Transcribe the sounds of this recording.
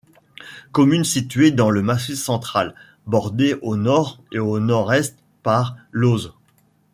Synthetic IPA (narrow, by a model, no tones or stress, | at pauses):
kɔmynsit̪ɥed̪ɑ̃ləmasisɑ̃t̪χal | bɔʁd̪eʔonɔʁeonɔʁɛst̪ | paʁloz